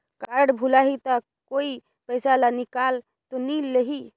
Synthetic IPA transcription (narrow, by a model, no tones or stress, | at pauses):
kaɽbʱulaɦit̪a | koi | pəɪsalanikal | t̪oniləɦi